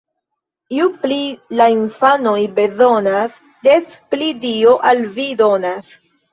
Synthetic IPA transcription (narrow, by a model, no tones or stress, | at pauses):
iuplilainfanojbe̞zo̞nas | desplidioʔalvido̞nas